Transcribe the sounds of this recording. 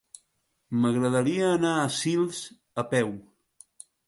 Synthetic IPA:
məɣɾəðəɾiəːnaəsilˠz | əpɛw

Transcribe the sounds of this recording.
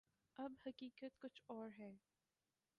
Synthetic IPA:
ɐbhɐkiːkət̪kʊt͡ʃʰɔːɾɦɛː

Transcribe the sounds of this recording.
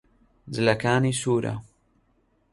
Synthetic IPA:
d͡zɨlɐkaːniːsuːɾɐ̰

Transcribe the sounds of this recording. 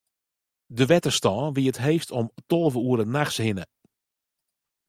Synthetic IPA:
dəʋɛtəstɔːʋiətɦeːftɔmtolˠvəuəɾənaxshɪnə

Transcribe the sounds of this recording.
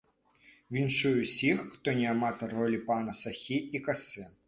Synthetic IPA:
ʋʲint͡ʂujɛsʲixːt̪ɔnʲɛamat̪ɐɾɔlʲipanɐsɐxʲiikasɨ

